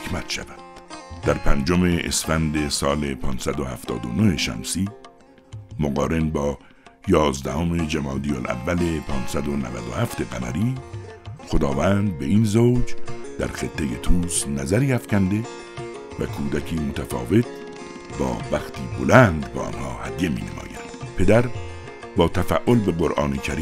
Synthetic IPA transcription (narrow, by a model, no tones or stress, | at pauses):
ekʰmæt̪ʃæ̰væd̪̥d̪̥æɾpʰænd͡ʒome̞ʔḛsfænd̪e̞sɒːle̞pʰɒːnsæd̪ohæft̪ɒ̰ːd̪o̰nohe̞ʃæ̰msiː | moɣɒːɾe̞nbɒː | jɒːzd̪æhome̞d͡ʒemɑːd̪ijolʔæ̰vːælepʰɒːnsæd̪onævæd̪ohæft̪e̞ɡænæɾiː | xod̪ɒːvæːnd̪̚beiːnzowd͡ʒd̪̥æ̰ɾxet̪ʰːejet̪ʰuːsnæzæɾiːæfcænd̪e̞ | vækʰuːd̪ækʰiːmot̪ʰæfɒ̰ːve̞t̪̚ | bɒ̰ːvæxt̪iːbolænd̪bæʔɒ̰ːnhɒːhæd̪jemḭːnḛmɒ̰ːjæ̰d̪̥pʰe̞d̪æɾ | bɒːt̪ʰæfæʔolbeɢoɾʔɒːnekʰæɾiː